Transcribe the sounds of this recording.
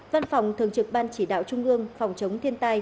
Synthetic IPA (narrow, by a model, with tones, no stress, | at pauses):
va˧nfa˨˩wŋ͡mt̪ʰɨ˨˩əŋt͡ɕɨ˨˩k̚ɓaː˧nt͡ɕi˧˩ɗa̰ː˧˨wt͡ɕʊ˧ŋ͡mʔɨ˧əŋfa˨˩wŋ͡mt͡ɕə˨˦wŋ͡mt̪ʰi˧ənt̪aː˧j